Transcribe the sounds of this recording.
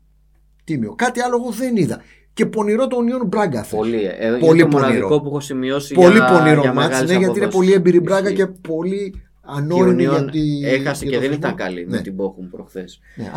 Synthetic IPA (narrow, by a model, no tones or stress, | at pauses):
t̪imiokɐt̪iɐlooɣo̞ðeniðɐ | ce̞po̞niɾo̞t̪onionbɾɐɡɐθeipo̞liponiɾoopuexosimiosipolipo̞niɾomɐineʝɐt̪inepo̞liebiɾibɾɐɡɐce̞po̞li | ɐnoɾiniʝɐt̪iexɐsɐtoðenit̪ɐkɐlḭnnet̪iboxumpɾoxθes | nḛ